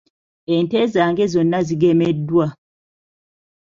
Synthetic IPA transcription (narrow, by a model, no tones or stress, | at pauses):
ɛntɛzaŋɡɛzɔnːaziɡɛmɛdwa